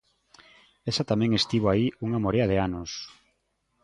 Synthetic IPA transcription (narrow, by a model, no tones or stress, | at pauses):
esat̪amɛ̃ŋest̪iβoaiuŋamoɾeaðeanos